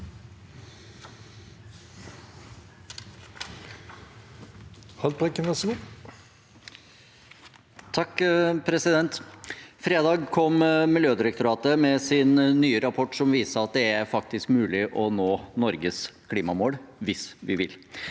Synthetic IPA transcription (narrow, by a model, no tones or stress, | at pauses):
hɑlpʰɛkːənʋɛsɡu | t̪ʰɑkːpʰɾɛsɪd̪ɛnt̪fɾeːd̪ɑːɡkʰɔmmɪljøːd̪ɪɾək̚t̪ʊɾɑːt̪əmɛsɪnːyːəɾɑpʰɔʈːʂɔmʋiːsəɾɑt̪̚d̪ɛæɾfɑk̚t̪ɪskmʉːlɪʔɔnoːnɔɾɡəskʰliːmɑmoːɽʋɪsʋɪʋɪ̰l